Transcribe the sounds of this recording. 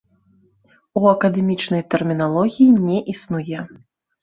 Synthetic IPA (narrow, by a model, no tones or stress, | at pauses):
uɐkɐd̪ɛmʲit͡ʂnɐjt̪ɛrmʲinalˠɔɣʲijinʲɛʔisnujɛ